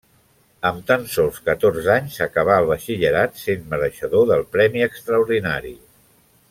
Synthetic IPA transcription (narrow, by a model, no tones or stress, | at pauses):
əmt̪ənsɔlˠskət̪orzaɲsəkəβ̞aəlˠβəʃiʎəɾat̪senməɾəʃəðoðəlˠpɾɛmiəkst̪ɾəuɾðina̰ɾḭ